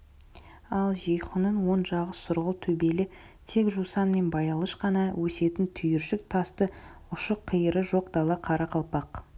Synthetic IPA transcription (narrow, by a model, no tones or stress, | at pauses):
ɑlˠʒijχʊnənwo̞nʒɑʁəsːʊɾʁəlˠt̪ʰɵbe̞lɪ | t̪ʰe̞kʒusɑnme̞nbɑjɑlˠəʃqɑnɑwʔɵse̞t̪ɪnt̪ʰʏjɪɾʃɪk̚t̪ʰɑst̪ə | ʊʃəqʰːijəɾəʒo̞q̚d̪̥ɑlˠɑqʰɑɾɑqʰɑlˠpɑq